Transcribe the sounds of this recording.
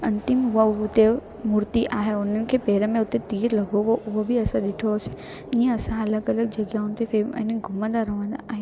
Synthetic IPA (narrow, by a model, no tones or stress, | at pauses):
ɐ̃nt̪ɪmɦʊaʊt̪e | mʊɾt̪iʔaːɦeʊnənɪ̆kʰeːpeːɾəmẽʊt̪et̪iːɾlɐɡʱoʋoʔʊɦobʱiɐsãɗɪʈʰose̥ | iːə̃ɐsãɐləɡɐləɡ̚d͡ʑɐɡjaːʊnɪ̆t̪ʰefemɐ̰̃ːnɡʱʊmə̃nd̪aɾɐʋə̃nd̪a̰ʔaːɦi